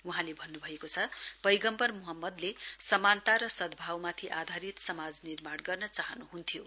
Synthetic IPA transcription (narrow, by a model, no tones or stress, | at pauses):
uɦãlebʱʌnːubʱʌekot͡sʰʌb̥ʌjɡʌmpʌrmuɦʌmːʌd̪lesʌmant̪aɾʌsʌd̪bʱawmat̪ʰiʔad̪ʱaɾit̪sʌmad͡znirmaɽɡʌrnʌt͡saɦʌnuɦunt̪ʰijo